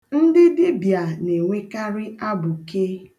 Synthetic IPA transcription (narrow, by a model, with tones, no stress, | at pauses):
n̩˦dɪ˦dɪ˦bja˨ne˨ŋʷe˦ka˦ɾɪ˦a˦bʊ˨ke˦